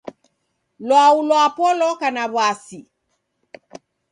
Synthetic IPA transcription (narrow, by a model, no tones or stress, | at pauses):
lwaulɔapɔlɔkanaβwasi